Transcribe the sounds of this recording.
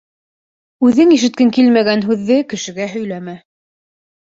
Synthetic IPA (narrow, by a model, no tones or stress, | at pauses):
ʉðɘŋiʃ̬ɘ̆t̪̚kɘŋkilmæɡænɦʉðːɘkɘ̆ʃɘ̆ɡæɦɵ̆jlæmæ